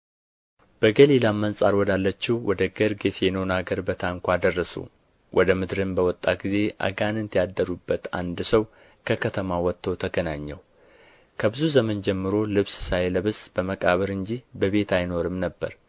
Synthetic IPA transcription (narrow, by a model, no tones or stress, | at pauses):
b̥əɡəlilamːənsʼaɾwɔd̪alːət͡ʃːiwwɔd̪əɡəɾɡe̞t̪jɛnownaɡəɾbət̪ʰaŋkʷad̪ərːəsṵ | wʔɔd̪əmɨd̪ɾɨnbəwɔt̪ʼːaɡize̞ʔa̰ɡanɨnt̪ʰjad̪ːəɾubːət̪a̰nd̪səw | kʰəkʰət̪ʰəmawɔt̪ːəwt̪ʰəɡənaɲːɛ̰w | kʰəbɨzuzəmənd͡ʒɛmːɨɾo̞lɨβssajləβɨsb̥əməkʼaβəɾɨɲd͡ʒibəβe̞t̪ʰajno̞ɾɨmnəbːə̰ɾ